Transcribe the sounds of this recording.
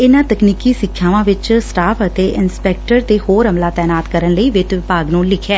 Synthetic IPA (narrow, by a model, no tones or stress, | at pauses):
ɪnãːt̪əkniːkiːsɪkʰːjaːʋãːʋɪt͡ʃsʈaːpʰət̪eːʔɪnspɛːk̚ʈəɾt̪eːhoːɾəmlaːt̪ɛːnaːt̪kəɾənləiːʋɪt̪ʋɪpaːɡnũːlɪkʰɛː